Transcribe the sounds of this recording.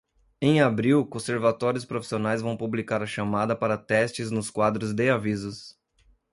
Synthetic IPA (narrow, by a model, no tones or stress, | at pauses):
ẽj̃abɾiwkõseɾvat̪ɔɾiʊspɾofi̥sionajzvɐ̃w̃publikaɾɐʃamad̪ɐpaɾɐt̪ɛst͡ʃɪznʊskwad̪ɾʊzd̪eavizʊs